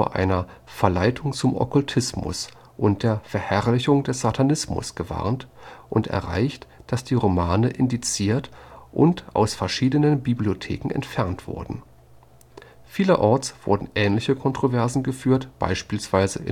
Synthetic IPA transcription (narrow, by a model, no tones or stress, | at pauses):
oɐʔa̰ɪnɐ | fɛɐlaɪtʰʊŋt͡sʊmʔɔ̰kʊltʰɪsmʊ̰s | ʔʊnt̚d̥eːɐfɛɐhɛʁlɪçʊŋd̥ɛsz̥atʰanɪsmʊ̰sɡ̥əva̰ɐntʔʊntɛ̰ɐʁa̰ɪçtd̥asd̥iːʁomaːnəʔɪndit͡siːɐtʔʊ̰ntʔa̰ʊsfɛɐʃiːdənənbibliotʰḛːkŋ̩ɛ̰ntfɛɐntv̥ʊ̰ɐdn̩ | fiːləʔɔɐt͡sv̥ʊ̰ɐdn̩ʔɛːnlɪçəkʰɔntʁ̥ovɛɐzn̩ɡəfyːɐtb̥a̰ɪʃpiːlsv̥aɪzə̰ʔɪ